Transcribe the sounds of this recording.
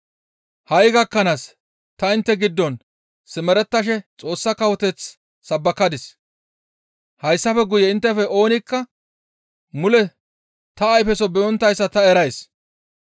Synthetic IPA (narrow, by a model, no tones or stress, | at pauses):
hɐjɡɐkːɐnas | t̪ɐɪnt̪ːɛɡɪd̪ːɔn | sɪmɛɾɛt̪ːɐʃ̬ɛt͡sʼo̞ːsːɐkɐwɔt̪ɛt͡sː | ɐbːɐkːɐd̪ɪs | hɐjsːɐfɛɡʊjɛɪnt̪ːɛfɛʔo̞ːnɪkːɐ | mʊlɛ | t̪ɐːjfɛsɔbɛɔnt̪ːɐjsːɐt̪ɐɛɾɐjs